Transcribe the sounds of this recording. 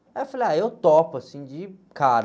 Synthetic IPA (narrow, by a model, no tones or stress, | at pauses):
afaleaewt̪ɔpʊɐsĩd͡ʒɪ | kaɾ